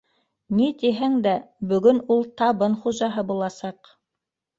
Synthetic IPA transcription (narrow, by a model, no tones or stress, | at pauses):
nit̪iɦæŋd̪æbɵ̆ɡɵnulˠt̪ɑβɤnχuʒɑɦɤbulˠɑsɑq